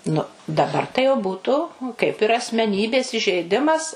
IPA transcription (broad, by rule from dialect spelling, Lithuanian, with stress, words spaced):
nʊ dɐˈbɐr tɐɪ jɛʊ ˈbuːtʊ kɐɪp ɪr ɐsʲmʲɛˈnʲiːbʲeːs iːʒʲɛɪˈdʲɪmɐs